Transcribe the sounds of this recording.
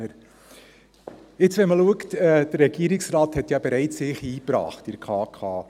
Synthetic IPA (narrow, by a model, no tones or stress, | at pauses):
əɾ | ɪt͡sʋɛnməluəktɛd̥əɾːɛɡiəɾiksrɑːthɛtjɑbeɾɛɪt͡sɪːχiːpɾɑ̰ːχtɪɾkʰɑːkʰɑː